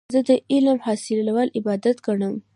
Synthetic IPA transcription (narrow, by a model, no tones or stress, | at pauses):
zəd̪əʔɪlmhɑsɪllawɑlɪbɑd̪at̪ɡaɳəm